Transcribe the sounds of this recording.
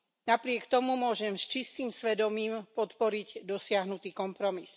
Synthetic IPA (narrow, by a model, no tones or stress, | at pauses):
napɾɪɛkt̪ɔmumʊɔʒɛmst͡ʃist̪iːmsʋɛd̪ɔmiːmpɔt̪pɔɾiɟd̪ɔsɪaɦnut̪iːkɔmpɾɔmis